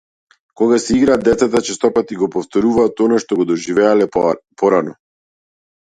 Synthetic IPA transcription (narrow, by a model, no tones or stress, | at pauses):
kɔɡasɛiɡɾaːd̪ːɛt̪sat̪at͡ʃɛst̪ɔpat̪iɡɔpɔft̪ɔɾuvaːt̪ɔnaʃt̪ɔɡɔd̪ɔʒivɛalɛpɔɾanɔ